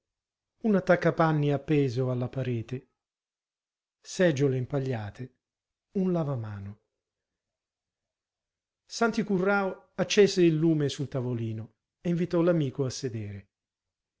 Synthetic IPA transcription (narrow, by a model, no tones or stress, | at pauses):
unat̪ːakːapanːiapːɛːzoalːapaɾɛːt̪e | sɛd͡ʒːoleimpaʎːaːt̪ʰe | unlaːvamaːno | sant̪ikurːaːoat͡ʃːɛːzeilːuːmesult̪avoliːno | eiɱvit̪ɔlamiːkoasːed̪ɛːɾe